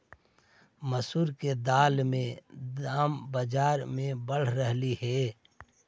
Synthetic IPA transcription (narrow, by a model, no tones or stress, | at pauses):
məsuːɾked̪aːlmẽdaːmbəd͡ʒaːɾmẽbəɽ̤ɾəɦlihɛː